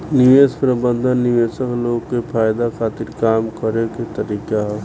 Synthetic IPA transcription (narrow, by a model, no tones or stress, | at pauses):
nɪʋeːspɾəbə̃nd̪ʱənːɪʋeːsəkloːɡkepʰaːjd̪akʰaːt̪ɪɾkaːmkəɾeket̪əɾiːkaɦɛ